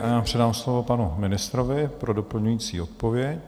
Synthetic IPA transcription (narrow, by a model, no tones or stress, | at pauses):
jaːpr̝̥ɛdaːmslo̞vo̞panumɪnɪst̪ɾovɪpɾo̞dopl̩ɲujiːt͡sḭːot̪̚povjɛc